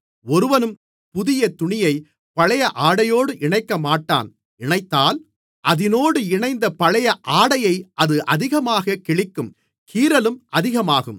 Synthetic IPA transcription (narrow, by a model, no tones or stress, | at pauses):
ɔɾɯʋɐnɯm | pʊðɪjɐt̪ʊɳɪjɐɪ | pɐɭɐjɐʔaːɽɐjoːɽɯʔɪɳɐɪkːɐmaːʈːa̰ːn | ɪɳɐɪt̪ːaːl | ʔɐðɪnoːɽɯɪɳɐɪnd̪ɐpɐɭɐjɐʔaːɽɐjɐɪʔɐðɯʔɐðɪɣɐmaːɣɐkɪɭɪkːɯm | kʰiːɾɐlɯmʔɐðɪɣɐmaːɣɯm